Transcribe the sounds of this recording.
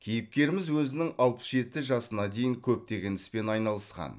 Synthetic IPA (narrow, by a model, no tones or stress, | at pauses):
kʲʰijɪp̚kʲe̞ɾɪmɪzwɵzɪnɪŋɑlˠpə̥sʒe̞t̪ɪʒɑsənɑd̪e̞jɪŋkʲʰɵp̚t̪e̞ɡʲe̞nɪ̥spe̞nɑjnɑlˠəsqɑ̰n